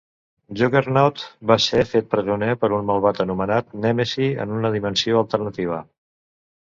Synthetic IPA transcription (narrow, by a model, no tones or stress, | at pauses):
ʒokeɾnɔt̪basefet̪̚pɾəzunepəɾunməlˠβat̪ənumənat̪̚nɛmesiə̰nunəðimənsioəlˠt̪ərnət̪iβ̞ə